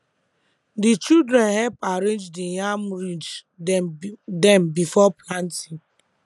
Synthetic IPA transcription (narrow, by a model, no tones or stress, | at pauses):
dit͡ʃildɾɛ̃nhɛlpaɾẽnd͡ʒdijamɾid͡ʒ | dɛ̃mbifɔplãntiŋ